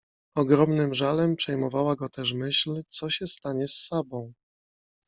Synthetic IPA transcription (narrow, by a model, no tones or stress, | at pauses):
ɔɡɾɔmnɘmʐalɛmpʂɛjmɔvawaɡɔt̪ɛʂmɘɕlt̪sɔɕɛst̪aɲɛsːabɔ̃w̃